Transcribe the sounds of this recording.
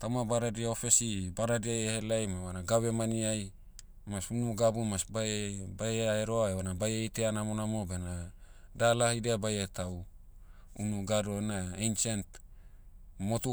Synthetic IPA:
t̪awmabaɾadiaofesibaɾadiajehelajmawanaɡawemaniaj | masunuɡabumasbabajeaeɾoaewanabajejteanamonamobena | dalahideabajet̪aw | unuɡadoenaejnt͡ʃant̪ | mot̪u

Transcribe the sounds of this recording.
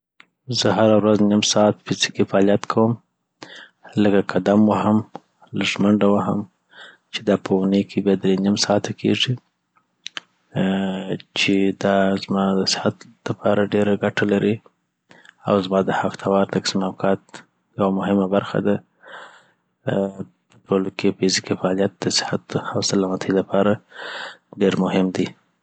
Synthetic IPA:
zəɦaɾawɾaznimsɑt̪̚pesi̥kefaːlijat̪kʰawəm | ləkakʰad̪amwaham | laʒməɳɖawaɦa̰m | t͡ʃed̪ɑpəunəjkʰebjɑd̪ɾenimsɑːt̪akʰḛʐi | t͡ʃed̪ɑzmɑd̪əsɪ̥hat̪lapʰɑɾaɖeɾaɡaʈalaɾʔi | a̰wzmɑd̪əhaft̪ʰawɑɾt̪aksimawkʰɑt̪ | jawamʊɦɪmabaɾxa̰d̪a | pə̥ʈolokʰefizikifaːlijat̪̚d̪əsɪ̥hat̪hawsalamat̪ʰəjlapʰɑɾa | ɖeɾmʊhɪmd̪i

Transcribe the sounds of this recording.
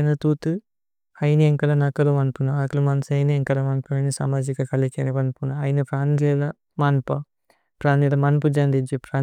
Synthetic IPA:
nɐt̪uːt̪ɨ | ɐjnieŋkɐlɐnɐkɐlɐʋɐnpunɐɐkɐlumɐnɐsɐjnieŋkɐlɐʋɐnpunɐnisa̰ːmaːd͡ʒikɐkɐlikeniʋɐnpunɐɐjinɐpɾaːnlelɐ | mɐnpɐ | pɾaːnilɐmɐnpɐd͡ʒɐnd̪id͡ʒipɾaː

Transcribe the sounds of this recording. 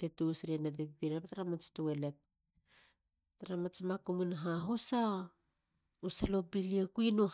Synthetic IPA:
tetusɾianat̬epipiɾapataɾamat͡ʃtuele̞t̚ | aɾamat͡ʃmakumunaɦaɦusa | usalopiliakuinu

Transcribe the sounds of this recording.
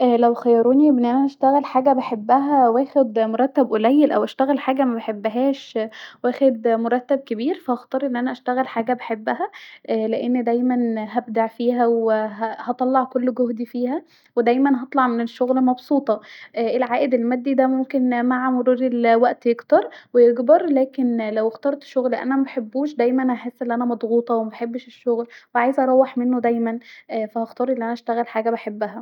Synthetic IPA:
ʔæːlæwxæjɑɾˤuːniebnːʔænæʔæʃt̪æɣælħaːɡæbaħebːæɦæwæːxed̪moɾˤɑt̪ːæbʔolæjːelʔæwʔæʃt̪æɣælħaːɡæmæbeħebːæɦæːʃwæːxed̪moɾˤɑt̪ːæb̚kebiːɾfæʔɑxt̪ˤɑɾˤʔenːʔænæʔæʃt̪æɣælħaːɡæbeħebːæhæʔleʔenːd̪æjmænɦæbd̪aʕfiːɦæweɦæhɑt̪ˤɑlːɑʕkolːɡohd̪ifiːhæ | wed̪æjmænɦɑt̪ˤlɑʕmeneʃːoɣlmɑbsˤuːt̪ˤɑʔʔelʕaːʔed̪elmæd̪ːid̪æmomkenmaʕamoɾuːɾelwæʔt̪jeɡt̪ɑɾˤwejeɡbɑɾˤlæːkenlæwext̪ɑːɾˤt̪ʃoɣlʔæ̰næmæbeħebːuːʃd̪æjmænhæħesːʔelːiʔænæmɑd̪ˤɣuːt̪ˤɑwemæbħebːʃeʃːoɣlweʕaːjezʔɑɾˤɑwːeħmenːod̪æjmænfæhɑxt̪ɑːɾˤʔelːiʔænæʔæʃt̪æɣælħaːɡæbaħebːæɦæ

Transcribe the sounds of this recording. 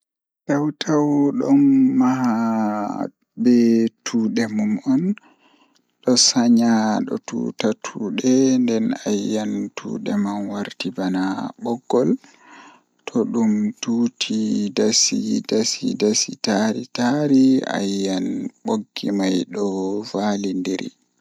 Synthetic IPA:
tawtʰawɗɔnːaɦa | bɛtʰuːɗɛmumɔn | ɗɔsaɲaɗɔ̰tṵtatʰuːɗɛndɛnajːantʰṵːɗɛmanwaɾtibanabɔɡːɔl | tʰɔɗumtuːtʰidasidasḭdasḭtaɾitaɾia̰jːanɓoɡːimajɗɔvalindiɾḭ

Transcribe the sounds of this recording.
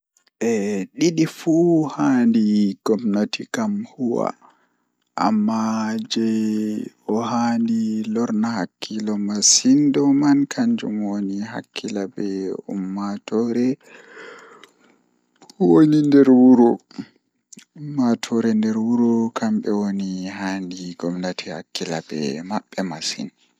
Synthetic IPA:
ʔɛɗiɗifuhandiɡ̥ɔmnatikamhuwa̰ | ʔa̰mːad͡ʒɛ | ɔhandilɔɾnahakʰːilɔmasindɔmankʰaɲd͡ʒṵmwoniɦa̰kːilabɛṵmːatɔɾɛ | wonindɛɾwuɾɔ | umːatʰɔɾɛndɛɾwuɾɔkʰambɛwonihandiɡɔmnatʰiha̰kːila̰bɛ̰maɓːɛmasḭn

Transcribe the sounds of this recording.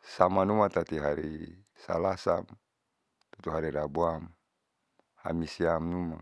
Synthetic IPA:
samanumat̪at̪iɦaɾi | sa̰lasa̰m | t̪ut̪uɦaɾiɾabuam | ha̰misiamnuma

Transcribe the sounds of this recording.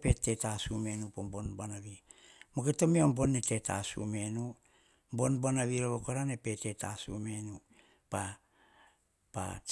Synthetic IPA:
pe̞te̞tasume̞nupombo̞nbanaβi | moketo̞meombo̞nːete̞ta̰sṵme̞nu | mbo̞nbonaβiɾoβokoɾane̞pe̞te̞tasṵme̞nu | pa | pa̰

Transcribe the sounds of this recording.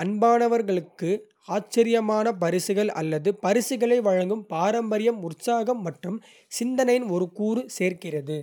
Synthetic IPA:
ɐnbaːnɐʋɐɾɣɐɭɯkːɯ | aːt͡ʃːɐɾɪjɐmaːnɐpɐɾɪsɯɣɐɭɐ̰lːɐðɯpɐɾɪsɯɣɐɭɐɪʋɐɻɐŋɡɯmpaːɾɐmbɐɾɪjɐmʊrsaːɣɐmːɐʈrɯm | sɪnd̪ɐnɐjɪnɔɾɯkuːɾɯseːɾkɪrɐðɯ

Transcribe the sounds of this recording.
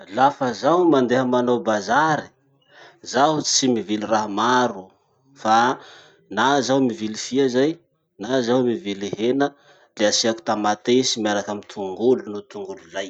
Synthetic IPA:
lafəzaɦwmand̪eɦəmanawbazaɾi̥ | zaɦut͡simiviliraɦmaɾu | fa | nazawmivilifiazaj | nazawmiviliɦenə | leasiaku̥t̪amat̪eisimiaɾakamit̪ʰuŋɡulunut̪uŋɡululaj

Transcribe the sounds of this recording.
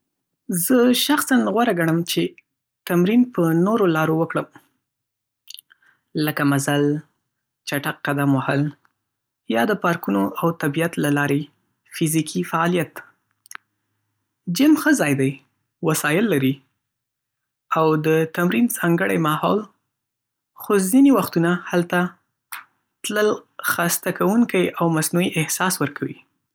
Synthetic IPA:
zəʃaxsanɣwaɾaɡaɽ̃əmt͡ʃe | t̪amɾinpənoɾolɑɾowəkɽəm | ləkamazal | t͡ʃaʈak̚ːad̪amwahəl | jɑd̪əpɑɾkunoʔawt̪abijat̪lalɑɾe | fizikʰifaɑlijat̪ | d͡ʒɪmxəzɑjd̪aj | wasɑjɪlːaɾi | awd̪ət̪amɾinzɑŋɡəɽajmɑhɑl | xozinewaxt̪unahalt̪a | t̪ləlxast̪akawuŋkajawmasnuiʔɪhsɑswəɾkʰawḭ

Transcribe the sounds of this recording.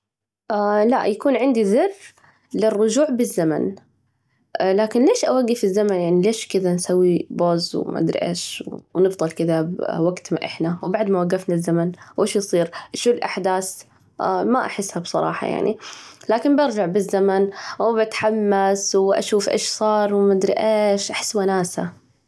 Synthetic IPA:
ʔala̰ʔjakuːnʕɪnd̪iðɨr | lɪrːʊd͡ʒuːʕbɪzːama̰n | laːkɪnleːʃʔawaɡːɪfɪzːamanjaʕnileːʃkɪðansawːiboːzwma̰ʔd̪ɾ̰ʔḛːʃwnɨfd̪ˤɨlkɪðabwaɡt̪ma̰ʔɪ̰ħnawbaʕd̪mawaɡːafnazːamanwʔeːʃjsˤiːɾʃuːlʔaħd̪aːs | maʔaħɪsːhabsˤɑ̰ɾˤɑ̰ːħɑ̰ja̰ʕnḭlaːkɪnbɑɾˤd͡ʒaʕbɪzːamanwbat̪ħamːaswʔa̰ʃuːfʔḛːʃsˤɑːɾˤwmad̪ɾɪ̰ʔeːʃʔaħɪ̥sːwanaːsa

